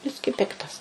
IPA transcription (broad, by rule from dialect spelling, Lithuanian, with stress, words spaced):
ˈbʲɪsʲkʲiː ˈpʲɪktɐs